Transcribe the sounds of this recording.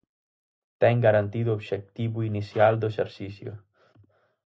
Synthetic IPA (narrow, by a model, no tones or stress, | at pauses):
t̪ɛŋɡaɾant̪iðuoβʃek̚t̪iβuinisjald̪oeseɾsisjo̰